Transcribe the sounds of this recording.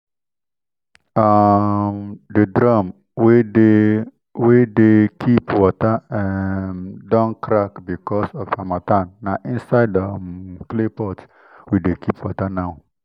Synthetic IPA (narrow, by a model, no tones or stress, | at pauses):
amdədɹãm | wede | wedekʰipwɔtəɛmdɔ̃nkʰɾakbikɔsɔfamatãnːaʔĩnsaɪdəklepɔt | widekʰipwɔtanaw